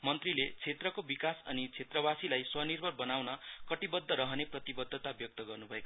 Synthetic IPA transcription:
mʌnt̪rilet͡sʰet̪rʌkobikasʌ̰nit͡sʰet̪rʌbasilajswʌnirbʱʌrbʌnawnʌkʌʈibʌd̪ʱːʌɾʌɦʌneprʌt̪ibʌd̪ʱːʌt̪abjʌk̚t̪ʌɡʌrnubʱʌek

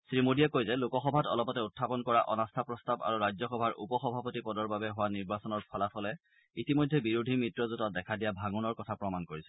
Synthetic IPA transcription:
sɹimodiɛkojzɛlʊkɔxɔbʱatɔ̰lɔpɔtɛutʰːapɔnkɔɹaʔɔnastʰapɹɔstaba̰ɹuɹajzɔxɔbʱaɹṵpɔxɔbʱapɔtipɔdɔɹbabɛɦʊwaniɹbasɔnɔɹpʰɔlatʰɔlɛ | itimɔjdʱːɛbiɹudʱimɹitɹɔzutɔt̚dɛkʰadijabʱaɡunɔɹkɔtʰapɹɔmankoɹisɛ̥

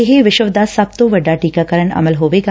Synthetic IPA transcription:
eɦeʋɪʃəʋd̪aːsɐbb̚t̪oʋɐɖːaːʈiːkakəɾəɳɐ̰məlɦoːʋeːɡa

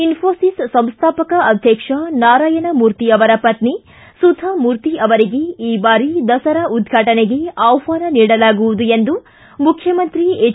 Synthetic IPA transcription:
infʰoːsissɐmst̪ʰaːpɐkɐɐd̪ʱjɐkʂɐnaːɾaːjɐnɐmuːɾt̪iɐʋɐɾɐpɐt̪ni | sud̪ʱɐmuːɾt̪iɐʋɐɾiɡe̞iːbaːɾid̪ɐsɐɾɐʔud̪ɡʱaːʈɐneɡe̞ɐwʋaːnɐniːɽɐlaːɡuʋud̪uend̪u | mukʰjɐmɐnt̪ɾie

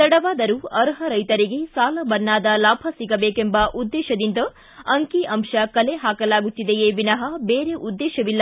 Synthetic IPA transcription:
t̪ɐɽɐʋaːd̪ɐɾuɐɾɦɐɾɐjt̪ɐɾiɡe̞saːlɐbɐnːaːd̪ɐlaːbʱɐsiɡɐbeːkembɐʔud̪ːɛːʃɐd̪ind̪ɐ | ɐŋkiʔɐmʃɐkɐleɦaːkɐlaːɡut̪ːid̪ejeʋinɐɦɐbeːɾe̞ʔud̪ːeːʃɐʋilːɐ

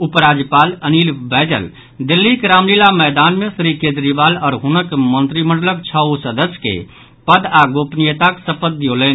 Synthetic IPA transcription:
upɾaːd͡ʒjəpaːləniːlbɛːd͡ʒə̰l | d̪ɪlːikɾaːmlilamɛːd̪aːnmẽsɾikẽːd̪ɾibaːlɔːɾɦʊnəkmə̃nt̪ɾimə̃ɳɖləb̚t͡ʃʰausəd̪əsjkḛ | pəd̪aɡoːpnijət̪aksəpət̪̚ːjoleːn

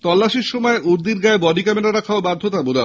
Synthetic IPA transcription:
t̪ɔlːaʃiɾʃɔmɔeʔuɾd̪iɾɡaebɔdikameɾaɾakʰaobad̪ʱːot̪abod̪a

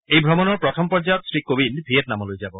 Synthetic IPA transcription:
ejbʱɾomonoɾpɾot̪ʰompɔɾd͡ʑajot̪sɾikobinbʱietnamolojd͡ʑabo

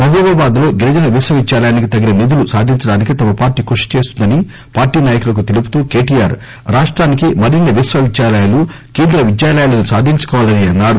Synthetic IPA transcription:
mɐɦubɐbaːd̪lo̞ːɡiɾɐd͡ʒɐnɐʋisʋɐʋid͡ʒjaːlɐjaːnikit̪ɐɡinɐnid̪ulusaːd̪ʱiɲt͡ʃɐɽaːnikit̪ɐmɐpaːɾʈiːkuʂi̥t͡ʃe̞ːst̪und̪ɐni | paːɾʈiːnaːjɐkulɐk̬ut̪elipu̥t̪uːke̞ːʈijaːɾ | ɾaːʂʈɾaːnikimɐɾinɐʋisʋɐʋid͡ʒjaːlɐjɐlu | keːnd̪ɾɐʋid͡ʒjaːlɐjɐlɐnusaːd̪ʱiɲt͡ʃɐ̥kɔːʋaːlɐniɐnːaːɾu

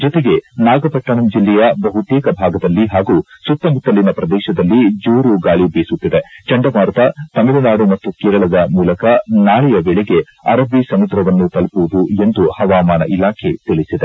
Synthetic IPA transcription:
d͡ʒɔt̪eɡe̞naːɡɐpɐʈːɐɳɐmd͡ʒilːɛjɐbɐɦut̪ɛːkɐbʱaːɡɐd̪ɐlːiɦaːɡusut̪ːɐmut̪ːɐlːinɐpɾɐd̪ɛːʃɐd̪ɐlːid͡ʒuːɾuɡaːɭibeːsut̪ːid̪et͡ʃɐɳɖɐbaːɾt̪ɐt̪ɐmelunaːɽumɐt̪ːukeːɾɐɭɐd̪ɐmuːlɐkɐnaːɭɛjɐbeɭeɡe̞ | ɐɾɐbisɐmud̪ɾɐʋɐnːut̪ɐlpuʋud̪ue̞nd̪uhɐʋaːmaːnɐʔilaːkʰe̞t̪iɭisid̪e

